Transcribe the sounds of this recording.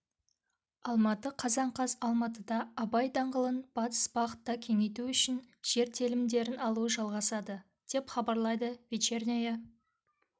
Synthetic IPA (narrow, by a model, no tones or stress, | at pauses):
ɑlˠmɑt̪əqʰɑzɑɴqʰɑzɑlˠmɑt̪̬əd̪ɑːbɑjd̪ɑɴʁəlˠənb̥ɑt̪ə̥sb̥ɑʁət̪ːɑkʲʰe̞ŋe̞jt̪uʏʃɪn | ʒ̥e̞ɾt̪ʰelɪmd̪e̞ɾɪnɑlˠuəʒɑlˠʁɑsɑd̪ə | d̪̥e̞pχɑbɑɾlˠɑjd̪əvit͡ʃernʲeja